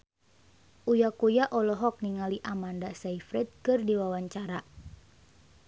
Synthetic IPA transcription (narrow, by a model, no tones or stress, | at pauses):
ʔujakujaʔɔlɔɦɔk̚niŋaliʔamandasaifɾɛt̪̚kɨrdiwawaɲt͡ʃaɾa